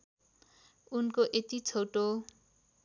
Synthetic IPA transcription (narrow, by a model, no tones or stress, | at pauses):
unkoʔet̪it͡sʰowʈo